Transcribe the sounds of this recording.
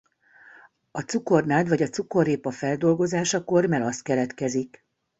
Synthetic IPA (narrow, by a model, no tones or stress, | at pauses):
ɒt̪suko̞rnaːd̪ʋɒɟɒt̪suko̞ɾeːpɒfɛld̪o̞lɡo̞zaːʃɒko̞rmɛlɒst̪̚kɛlɛt̪kɛzik